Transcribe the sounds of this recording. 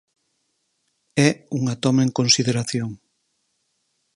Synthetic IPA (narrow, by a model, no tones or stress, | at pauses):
ɛuŋat̪ɔmaeŋkonsiðeɾaθjoŋ